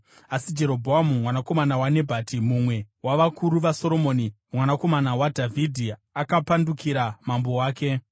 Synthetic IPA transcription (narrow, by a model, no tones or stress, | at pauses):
asid͡ʒe̞ɾo̞bʱoamumwanako̞manawane̞bʱatʰimumwe̞waʋakʰuɾuʋaso̞ɾo̞moːni | mwanako̞manawadʱavʱidʱiakapandukʰiɾamambo̞waːke̞